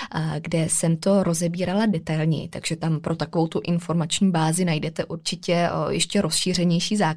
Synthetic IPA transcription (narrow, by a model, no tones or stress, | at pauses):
ɡdɛsɛmt̪o̞ɾo̞zɛbiːɾaladɛt̪ajlɲɛ̰jɪ̰t̪a̰ɡʒ̥ɛt̪ampɾʔo̞t̪akovo̞wt̪uʔɪnfo̞ɾmat͡ʃɲiːbaːzɪnajdɛt̪ɛʔuɾt͡ʃɪcɛjɛʃcɛɾo̞sʃiːr̝ɛɲɛjʃiːzaː